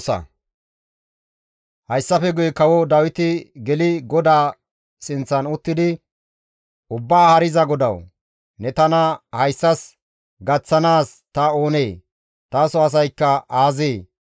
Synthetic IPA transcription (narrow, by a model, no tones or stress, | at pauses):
sɐ̰ | hɐjsːɐfɛɡʊjkɐwɔd̪ɐwɪt̪ɪɡɛlɪɡɔd̪aː | sɪnt͡sːɐnʊt̪ːɪd̪ɪ | ʊbːaːhɐɾɪzɐɡɔd̪ɐw | nɛt̪ɐnɐhɐjsːɐs | ɡɐt͡sːɐnaːst̪ɐo̞ːneː | t̪aːsɔɐs̬ɐjkːɐaːzeː